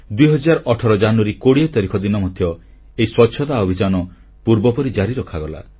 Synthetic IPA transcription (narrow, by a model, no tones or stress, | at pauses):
d̪uiɦɔd͡ʒaɾɔʔɔʈʰɔɾɔd͡ʒanuaɾikoɽiɔt̪ɔɾikʰɔd̪inɔmɔd̪ʱjɔ | eiswɔtːʃʰɔt̪aɔbʱid͡ʒanɔ | puɾbɔpɔɾid͡ʒaɾiɾɔkʰaɡɔla̰